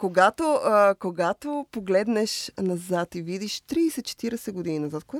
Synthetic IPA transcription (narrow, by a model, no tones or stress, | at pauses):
koɡat̪okoɡat̪opoɡlɛd̪nɛʃnɐzat̪ivid̪iʃt̪ɾiːsɛt̪̚t͡ʃɛ̥t̪iɾɛsɛɡod̪ininɐzat̪̚koɛ